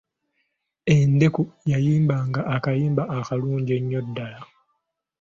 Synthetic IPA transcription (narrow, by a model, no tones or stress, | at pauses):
e̞nde̞kujajiːmbaŋɡaʔːkajiːmbaʔːkaluːɲɟeɲːo̞dːala